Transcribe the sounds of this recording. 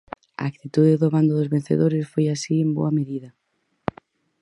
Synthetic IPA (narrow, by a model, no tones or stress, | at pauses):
a̰ːk̚t̪it̪uðeðoβand̪ʊðʊzβen̟θḛðoɾɪsfojasiembo̰ɐmeðiðɐ